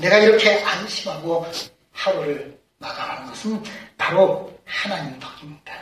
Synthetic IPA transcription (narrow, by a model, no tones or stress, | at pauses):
ne̞ɡaiɾʌkʰe̞anɕʰimɦaɡo | hawɯɾɯɭ | maɡaɾanɯnɡʌsʰɯnpaɾohanaɲimtʌɡimɲida